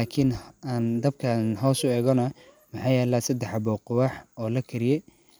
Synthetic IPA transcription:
laːkʰinaːnd̪ɐb̚kʰɐnɦɔwsʊɛːɣɔnɐ | mɑħɑːjɛːlaːsɐd̪ɛħɑbɔːqʊwaːħɔːlɐkʰɐɾɪjɛ

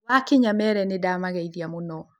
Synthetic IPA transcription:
wakeɲamɛɾɛnedamaɣɛiðiamonɔ

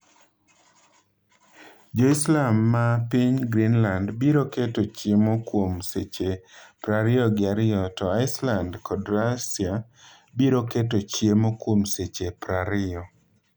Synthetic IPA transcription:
d͡ʒoislamːapiɲɡɾinlandbiɾoketot͡ʃjemokwomset͡ʃepɾaɾɪɔɡɪaɾɪɔtɔaɪslandkʰɔdɾasia | biɾoketot͡ʃjemokwomset͡ʃepɾaɾɪɔ

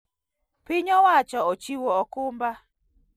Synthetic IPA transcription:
pɪɲɔwat͡ʃɔot͡ʃiwɔɔkʊmba

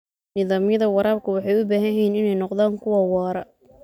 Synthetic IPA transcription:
nɪðaːmjɐðɐwɑɾaːb̚kʰʊwɑħɑjʊbaːɦɐjɛjnɪnɛjnɔqðaːŋkʰʊwɐwɑːɾɐ̰

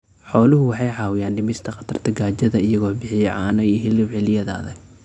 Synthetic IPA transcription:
ħɔːlʊɦʊwɑħɑjʕɑːwɪjaːnɖɪmɪst̪ʰɐqɑt̪ʰɐrt̪ʰɐɡaːt͡ʃɐðɐɪjɐɣɔːbɪħɪjɛʕɑːnɐiɦɪlɪwʕɪlɪjɐða̰ːðɐ

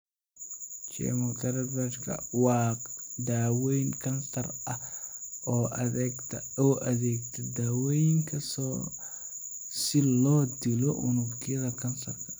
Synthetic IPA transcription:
t͡ʃɛ̰mʊlt̪ʰɐɾɐbɐʃkʰɐ̰wɑːd̪aːwɛjnkʰɐnsɐrʔɐ | ɔːɐɛt̪ʰ | ɔːʔɐðɛːɡt̪ʰɐd̪aːwɛjŋkʰɐsɔ | sɪlɔːd̪ɪlɔʔʊ̰nʊɡjɐðɐkʰɐnsɐrkʰɐ̥

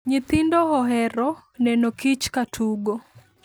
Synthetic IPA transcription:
ɲɪt̪indɔɦɔɦɛɾɔnɛnɔkit͡ʃkatʰuɡɔ

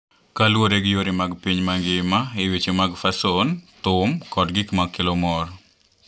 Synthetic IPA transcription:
kalwoɾeɡɪjoɾimaɡpiɲmaŋɡɪmaɪwit͡ʃemaɡfasont̪ʊmkɔdɡɪkmakelɔmɔr

